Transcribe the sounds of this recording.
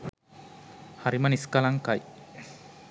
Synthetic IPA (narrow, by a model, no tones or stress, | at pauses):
haɾimaniskalaŋkaj